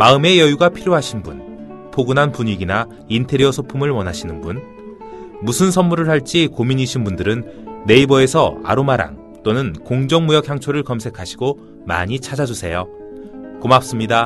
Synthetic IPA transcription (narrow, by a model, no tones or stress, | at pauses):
maɯme̞jʌjuɡapʰiɾjoɦaɕʰinbun | pʰoɡunɦanpuɲiɡina | intʰe̞ɾiʌsʰopʰumɯɭwʌnɦaɕʰinɯnbun | musʰɯnsʰʌnmuɾɯɭhaɭt͡ɕ͈ikomiɲiɕʰinbundɯɾɯnːe̞ibʌe̞sʰʌa̰ɾomaɾa̰ŋ | t͈onɯnkoŋd͡ʑʌŋmujʌk̚hjaŋt͡ɕʰoɾɯɭkʌmsʰe̞kʰaɕʰiɡo | ma̰ɲit͡ɕʰad͡ʑad͡ʑusʰe̞jo | komap̚s͈ɯmɲida